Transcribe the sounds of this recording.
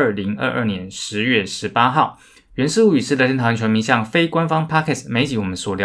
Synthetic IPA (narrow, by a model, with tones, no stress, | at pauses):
li˧˥ŋə̰˥˧ʔə̰˞˥˩njɛ˧˥nʂɻ̩˧˥ɥɛ˥˩ʂɻ̩˧˥pa˥xɑ˥˩ʊ | ɥɛ˧˥nʂɻ̩˥˧u˥˩y˨˩ʂɻ̩˥˩lʂə˥nt̪ʰt͡ɕʰɥɛ˧˥nmi˧˥ŋɕjɑ˥˨˩ŋfe˥ɪkwa˥nfɑ˥ŋpʰa˥kʰɛ˥˩sme˧˥ɪt͡ɕi˧˥wɔ˨˩mə˦nswɔ˨˩ljɑ˧